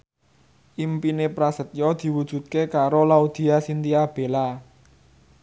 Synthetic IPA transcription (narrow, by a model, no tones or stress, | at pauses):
ʔimpinepɾasət̪̚jɔd̪̥i̤wud̥ʒ̥ṳt̪̚kekaɾolaud̪̥i̤asint̪iab̥e̤la